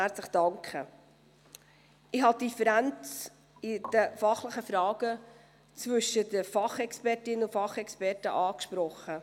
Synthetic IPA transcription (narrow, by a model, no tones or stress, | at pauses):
æɾt͡sləχd̥ɑŋkə | ɪhɑtifəɾænt͡s | ɪd̥əfɑχləχəfɾɑːɡ̥ə | t͡svɵʃədəfɑχɛkspɛrtɪnəʊfɑχɛkspɛrtə̰ʔɑːkʃpɾɔχə